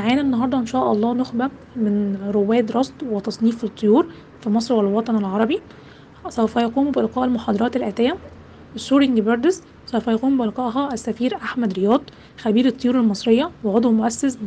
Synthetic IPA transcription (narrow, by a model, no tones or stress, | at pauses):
aʕæːnænːɑɦɑɾd̪ˤɑʔenʃæːʔɑ̰lˤːɑːnoxbæ | mɪnɾowːæːd̪ɾˤɑsˤd̪ˤwet̪ɑsˤniːfet̪ˤːojuːɾ | fimɑsˤɾwælwɑt̪ˤɑnelʕɑɾˤɑbi | sæwfæjɑquːmbɪʔelqɑːʔelmoħɑːd̪ˤɑɾˤɑːt̪elʔæːt̪ejːæ | esuːɾiŋɡbɑɾd̪ɪz | sæwfæjɑquːmbɪʔelqɑʔɦɑʔæsːæfiːɾʔaħmæd̪ɾejɑːd̪ˤ | xæbiːɾet̪ˤːojuːɾelmɑsˤɾejːɑweʕod̪ˤwmoʔæsːæs